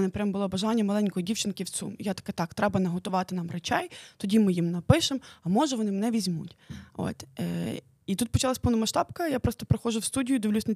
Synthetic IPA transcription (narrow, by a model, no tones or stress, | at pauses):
nɐpɾʲambʊlˠɔbɐʒɑnʲːɐmɐlˠɛnʲkɔjɔdʲiwt͡ʃɪnkʲɪw̪sṵmjat̪ɐ̥kɛt̪ɑkt̪ɾɛbɐnɐɦɔt̪ʊʋɑt̪ɪnɑmret͡ʃɛjt̪ɔdʲimɪjimnɐpɪʃemɐmɔʒɐʋɔnɪmnɛʋʲizʲmṵtʲo̰t̪ | it̪ut̪̚pɔt͡ʃɑlˠɐsʲpɔwnʊmɐʃt̪ɑpkɐjapɾɔst̪ɔpɾexɔʒʊwst̪udʲijʊd̪iʋʲlʲusʲnɐ